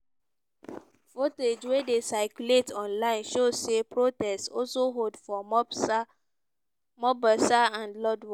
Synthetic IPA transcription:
foted͡ʒwedesaɪkjuletʰɔ̃nlaɪ̃nʃosepɹotɛstɔ̰lsoɦodfɔɔ | mɔbasaãnlɔdwɔ

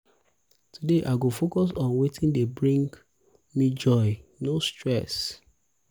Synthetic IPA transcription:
tudeʔaɪɡofokɔsɔ̃nwetʰĩndebɹĩŋɡ | mid͡ʒɔɪnostɹɛs

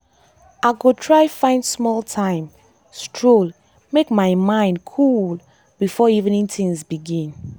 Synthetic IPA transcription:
aɪɡotʰɹaɪfãɪ̃ndsmɔlˠtʰãɪ̃m | stʰɹol | mekmaɪmãɪ̃ndkʰul | bifɔivnĩŋtʰĩŋzbiɡĩn

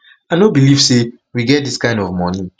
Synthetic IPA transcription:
anobiliv̥se | wiɡɛt̚diskãɪ̃ndɔvmɔni

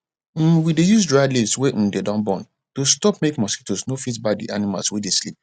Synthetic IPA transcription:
widejuzdɹajlivsweʔ̩dedãnbɔ̃n | tostɔpmekmɔskitosnofitbadḭʔanima̰lswedeslḭp̚

